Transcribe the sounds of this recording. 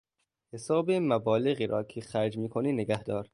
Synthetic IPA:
hesɒːbemæbɒːleɣiːɾʔɒ̰ːkʰexæɾd͡ʒmiːkʰoniːneɡæhd̪ɒːɾ

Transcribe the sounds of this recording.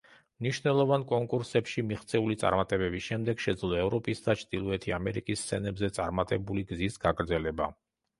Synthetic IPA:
mniʃvnɛlˠɔvankʼɔŋkʼuɾsɛpʃimiχt̪sʰʼɛulit̪sʼa̰ɾmat̪ʼɛbɛbisʃɛmd̪ɛɡ̥ʃɛd̪zlˠɔɛvɾɔpʼisd̪at͡ʃʰd̪̥ilˠɔɛt̪ʰiamɛɾikʼisʰɛnɛbzɛt̪sʼaɾmat̪ʼɛbuliɡzisɡ̥aɡɾd̪zɛlɛba

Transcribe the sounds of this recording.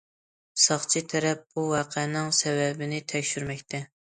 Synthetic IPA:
sɑχt͡ʃʰit̪ʰɛɾɛp̚buwɑːqʰɛnɪŋsɛvɛbɪnɪt̪ʰɛkʲʃyɾmɛkʲt̪ʰɛ

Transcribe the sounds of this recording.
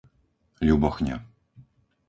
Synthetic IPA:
lʲubɔxɲʲa̰

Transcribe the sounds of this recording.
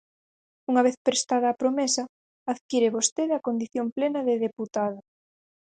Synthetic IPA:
uŋɐβ̞eθpɾest̪að̞ɐːpɾomesɐː | ðkiɾeβost̪eðeɐkond̪iθjomplenɐðeðeput̪aðo

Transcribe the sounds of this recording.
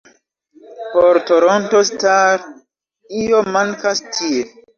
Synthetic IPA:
poɾtoɾontostaɾ | ijomaŋkastʰie

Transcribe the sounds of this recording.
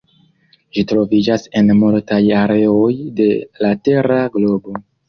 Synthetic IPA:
ʒitɾo̞vid͡ʒase̞nmultajaɾe̞o̞jde̞late̞ɾaɡlo̞bo̞

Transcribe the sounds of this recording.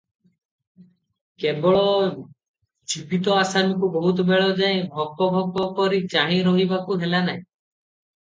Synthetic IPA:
kebɔɭɔ | d͡ʒipit̪ɔasamikubɔɦut̪̬ɔbeɭɔd͡ʒaj̃bʱɔk̚pɔbʱɔɡ̚pɔpɔɾit͡ʃaɦĩɾɔɦibakuɦelanaɦĩ

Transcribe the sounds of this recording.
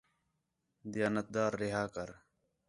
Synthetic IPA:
d̪ɪjaːnət̪̚d̪aːɾːɪɦaːkəɾ

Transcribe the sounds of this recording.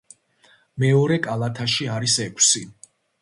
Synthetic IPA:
mɛɔɾɛkʼalˠat̪ʰaʃiaɾisɛkʷʼʰsi

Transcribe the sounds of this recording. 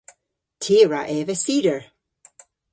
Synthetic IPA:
tʰeːɹaʔɛvəsiːɾəɹ

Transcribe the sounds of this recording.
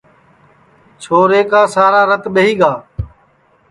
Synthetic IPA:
t͡ʃʰoːɾeːkaːsaːɾaːɾət̪ɓeɦiːɠaː

